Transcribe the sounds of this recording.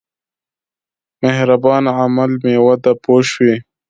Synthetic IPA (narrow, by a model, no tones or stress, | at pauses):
mehɾabɑːnʕamalmeːwɐd̪apoːʃwi